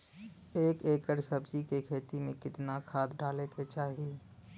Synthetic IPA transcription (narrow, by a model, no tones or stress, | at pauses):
eːkeːkəɾsəbd͡ʒikekʰeːt̪imẽkɪt̪nakʰaːd̪ɖaːleket͡ʃaːɦi